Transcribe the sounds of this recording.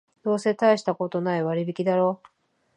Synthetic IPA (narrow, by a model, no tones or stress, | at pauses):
d̪̥o̞ːse̞t̪aiɕi̥t̪ako̞t̪o̞naiβaɾʲibʲikʲid̪aɾo̞ː